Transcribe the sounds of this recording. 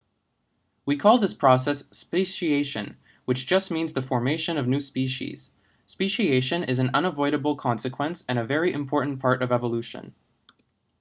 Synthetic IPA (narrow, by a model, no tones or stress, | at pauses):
wikʰɔlˠðɪspʰɹ̥ɔs̬ɛsːpeɪʃieɪʃɨ̃n | wɨt͡ʃd̥ʒ̥ʌst̚mĩnzðɨfɔɹmeɪʃɨ̃nʌvnʉspiʃḭz̥ | speʃieɪʃɨ̃nɪzɨ̃n̩ʌ̃nəvɔɪɾəbl̩ˠkʰɑ̃nsɨkʰw̥ɛ̃nsɨ̃ñɨvɛɹiʔɨ̰̃mpʰɔɹʔn̩pʰɑɹɾʌvɛvəlʉʃɨ̰̃n